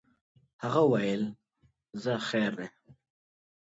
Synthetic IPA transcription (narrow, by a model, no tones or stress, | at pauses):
haɣawajel | zaxeːɾd̪e